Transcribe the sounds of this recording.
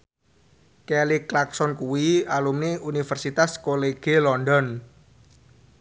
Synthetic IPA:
keliklaksɔnkuwialumniunifərsit̪askoleɡ̥elɔndɔn

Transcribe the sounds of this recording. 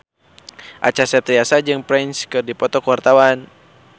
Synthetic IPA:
ʔa̰t͡ʃasɛt̪ɾiasad͡ʒɨŋpɾɛnskɨrdipɔt̪ɔkəwart̪awan

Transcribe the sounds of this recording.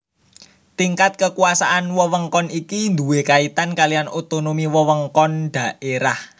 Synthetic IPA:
t̪iŋkat̪̚kəkuasaʔanwɔwəŋkɔnikind̪uwekait̪ankalijanot̪onomiwɔwəŋkɔnɖ̪̥ä̤ʔeɾah

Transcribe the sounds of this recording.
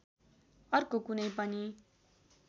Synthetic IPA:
ʌrkokunʌjpʌni

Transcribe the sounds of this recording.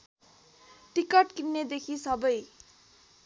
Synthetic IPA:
ʈikʌʈkinned̪ekʰisʌbʌj

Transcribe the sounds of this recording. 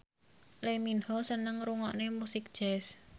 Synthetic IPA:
leminhɔsənəŋɾuŋɔʔnemusɪk̚d̥ʒ̥ɛs

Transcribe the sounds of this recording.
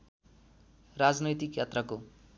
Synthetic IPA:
rad͡znʌjt̪ikjat̪rʌko

